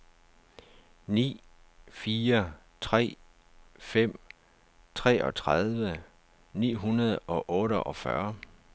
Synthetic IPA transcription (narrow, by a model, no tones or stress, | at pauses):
nḭː | fiːɐ | t͡sʰʁɛ̰ː | fem̰ | t͡sʰʁɛ̰ːʔɒ̽t͡sʰʁað̞ˠʋə | nḭːɦunɐð̞ˠɒ̽ʔɔːɾəʔɒ̽fɶɐ